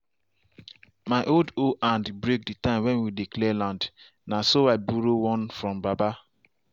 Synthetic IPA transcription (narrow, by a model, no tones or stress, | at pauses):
maɪʔoldoʔãndbɾek̚ditãɪ̃mwɛnwidiklɛlãnd | nasoaɪbuɾowɔ̃nfɾɔ̃mbaba